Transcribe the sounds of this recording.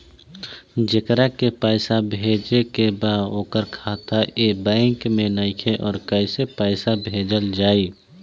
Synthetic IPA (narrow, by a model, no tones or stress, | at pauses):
d͡ʒəkɾakepaːɪsabʱeːd͡ʒekebaoːkəɾkʰaːt̪ʰaʔebɛ̃ːŋkmẽnaɪkʰeʔɔːɾkəɪsepaːɪsabʱeːd͡ʒəld͡ʒaːiː